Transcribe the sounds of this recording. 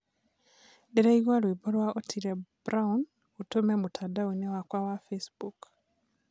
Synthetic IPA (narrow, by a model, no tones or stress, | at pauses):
deɾeiwaɾwiboɾwaotʰiɾebɾaun | utomemutʰadawenewakwawafesbuk